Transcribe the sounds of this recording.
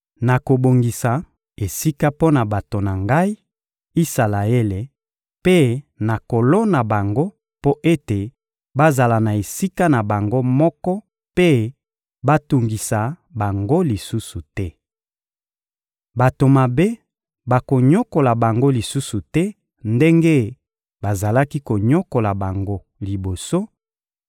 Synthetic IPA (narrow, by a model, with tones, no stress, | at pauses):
na˨ko˨bo˨ŋɡi˨sa˨ | e˨si˦ka˦po˦na˨ba˨to˨na˨ŋɡa˦i˦ | i˦sa˨la˨e˦le˨ | pe˦na˨ko˨lo˦na˨ba˨ŋɡo˦ | po˦ʔe˦te˨ | ba˦za˨la˨na˨e˨si˦ka˦na˨ba˨ŋɡo˦mɔ˦kɔ˦ | pe˦ | ba˦tu˨ŋɡi˨sa˨ | ba˨ŋɡo˦li˨su˦su˨tɛ˦ | ba˨to˨ma˨be˦ | ba˨ko˨ɲɔ˦ko˨la˨ba˨ŋɡo˦li˨su˦su˨tɛ˦ | nde˦ŋɡe˦ | ba˨za˨la˦ki˦ko˨ɲɔ˦ko˨la˨ba˨ŋɡo˦ | li˨bo˨so˦